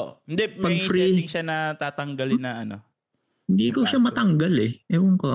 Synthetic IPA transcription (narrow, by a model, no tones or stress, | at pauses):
ʔoʔhɪnd̪ɛmpɐɡ̚fɾiŋʃanɐt̪aːt̪ɐŋɡɐlɪnːɐʔɐno | hɪnd̪iːkoʃamɐt̪ɐŋɡalɛʔɛʔoŋko